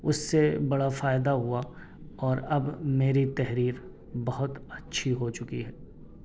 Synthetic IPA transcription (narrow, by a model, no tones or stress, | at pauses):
ʊsːebɐɽafaːɪd̪aɦʊa | ɔːɾɐbmeːɾit̪ɛɦɾiːɾ | bɐɦʊt̪ɐtːʃʰiɦot͡ʃʊkiɦɛː